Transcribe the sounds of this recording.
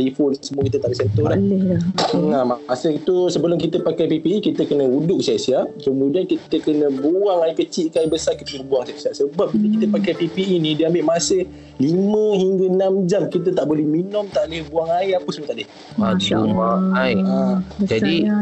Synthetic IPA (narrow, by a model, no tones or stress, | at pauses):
ifʊlsəmuəkit̪ət̪aʔbesɛnt̪ɔlalɛlŋamaasəit̪usəbəlʊmkit̪əpakajpipiikit̪əkənəudʊk̚siaʔsiaʔ̚kəmudiankit̪əkənə̃buaŋaikət͡ʃiʔkaibəsakət̪iləbuaŋsiaʔsiaʔsəbap̚dilikit̪əpakajpipiinĩdiəambɪʔmasə | limə̃ɦiŋɡaənamd͡ʒamkit̪̬ət̪aʔbolɛhminʊmt̪aʔlehbuaŋaiapəsəmut̪aʔde | aaaaiad͡ʒadi